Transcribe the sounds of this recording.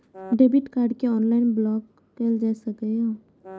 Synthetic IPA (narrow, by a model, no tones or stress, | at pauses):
ɖebiʈkaɾɖkeɔnlainblɔkː | eld͡ʒasəkəɦo